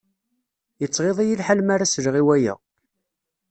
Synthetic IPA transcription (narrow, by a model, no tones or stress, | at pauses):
jət͡sˤːʁeðˤijəlħalmaɾasɾʁiwæjæ̰